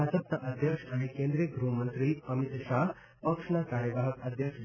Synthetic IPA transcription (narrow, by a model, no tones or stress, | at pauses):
ad͡zəp̚t̪aʔəd̪ʱjəkʂaɦẽkẽnd̪ɾieɡɾumənt̪ɾiːəmit̪ɕaɦ | pəkʂɳakaɾjəʋaɦəkəd̪ʱjəkʂ